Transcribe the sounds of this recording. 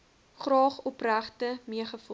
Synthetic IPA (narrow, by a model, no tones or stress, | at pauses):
χrɑːχɔpræχtəmiəχəfu